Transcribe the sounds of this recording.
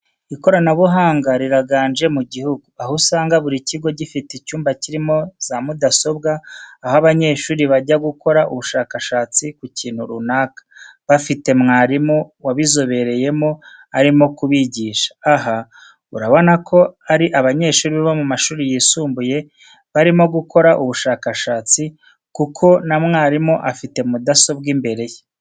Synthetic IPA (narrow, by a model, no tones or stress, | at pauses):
iko̞ɾanaβuɦaːŋɡaɾiɾaɡaːnʒe̞muɟihuɡuahusaːŋɡaβuɾiciɡo̞ɟifiticuːmbaciɾimo̞z̥amudaso̞bɡaːhaβaɲe̞ːʃuːɾiβaɟaɡuko̞ɾaʔuβuʃaːkaʃaːt͡sikuciːnhuɾunaːkḁβafite̞mŋaːɾimowaβizo̞βe̞ɾe̞je̞mo̞aɾimo̞kuβiɟiːʃḁːɦa | uɾaβo̞nakʰo̞aɾiʔaβaɲe̞ːʃuːɾiββomumaʃuːɾijiːsuːmbuje̞ | βaɾimo̞ɡuko̞ɾaʔuβuʃaːkaʃaːt͡si | kukʰo̞namŋaːɾimo̞ʔafite̞mudaso̞bɡimbe̞ɾe̞je